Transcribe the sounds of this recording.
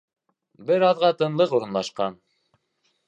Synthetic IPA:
bɘɾɑðʁɑt̪ɤ̆nlˠɤquɾɤ̆nlˠɑʃqɑn

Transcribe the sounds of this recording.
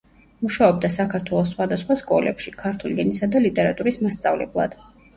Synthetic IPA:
muʃaɔb̚d̪asakʰaɾt̪ʰwɛlˠɔsːχwad̪asχwaskʼɔ̰lɛ̰pʃikʰaɾt̪ʰuliɛnisad̪alit̪ʼɛɾat̪ʼuɾismast̪sʼavlɛ̰blˠa̰d̪̥

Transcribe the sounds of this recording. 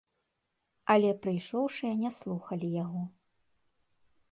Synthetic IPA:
ɐlʲɛpɾɨjʂɔwʂɨjɐnʲɛslˠuxɐlʲijaɣɔ

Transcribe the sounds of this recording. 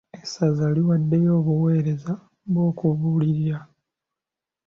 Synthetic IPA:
esazaliwadːe̞jo̞ːβuwe̞ːɾe̞za | βwo̞ːkuβuliɾja

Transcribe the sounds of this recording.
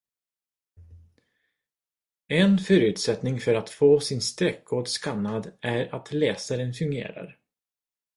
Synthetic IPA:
ɛnfœɾʉ̟ːt̪sɛt̪nɪŋfœɾat̪foːsɪnst̪ɾɛkːoːɖskanːad̪æɾat̪ʰlɛːsaɾənfɵŋɡḛːɾa̰ɾ

